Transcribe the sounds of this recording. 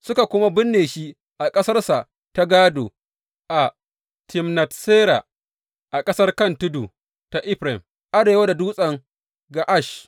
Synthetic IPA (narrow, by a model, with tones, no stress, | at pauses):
sʊ˦ka˨kʷʊ˦ma˦bɪ˦nːeː˨ʃi˦ | ʔa˨kʼɐ˦sɐ˦rsa˨ʔ | ta˦ɡaː˦doː˨ | ʔa˨ | tʰɪ˨mnɐ˨tseː˦ɾa̰˨ | ʔa˨kʼɐ˦sɐ˦rkɐ˦˨ntʊ˦du˨ | ta˦ʔɪ˦ɸɾɛ˨m | ʔa˦ɽeː˨wa˦da˨duː˦sʼɐ˨ŋ | ɡa˨ʔa˦˨ʃ